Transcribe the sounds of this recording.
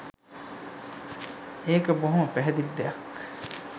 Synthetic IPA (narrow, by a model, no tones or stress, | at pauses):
eːkəboɦumɐpæɦɛd̪id̪ːejɐk